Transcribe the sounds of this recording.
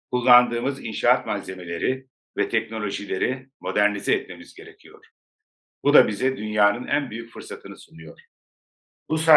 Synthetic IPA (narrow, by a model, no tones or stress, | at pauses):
kʰulˠːand̪ɯːmɯzinʃaat̪maze̞me̞lʲe̞ɾi | vɛt̪ʰɛcno̞lʲo̞ʒilʲe̞ɾimo̞d̪æɾnizɛːt̪me̞mizɟe̞ɾecʰijo̞̰ɾ̥ | bud̪abizɛd̪ynjaːnɯnæ̰nbyjycfɯɾsat̪ʰɯnɯsunujo̞ɾ̥ | busa